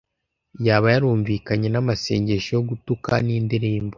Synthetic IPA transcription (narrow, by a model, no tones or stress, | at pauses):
jaːβajaɾuːɱviːkaɲe̞namase̞̰ːɲɟe̞ʃojoɡutukaniːndiɾiːmbo